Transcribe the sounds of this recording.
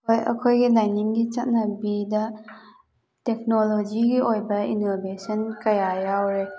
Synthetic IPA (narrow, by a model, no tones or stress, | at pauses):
ojɐ̰kʰojɡilajniŋɡit͡ʃɐt̚nɐbidɐ | tek̚nolod͡ʒiɡiʔojbɐḭnobesʰɐnkɐjajawɾe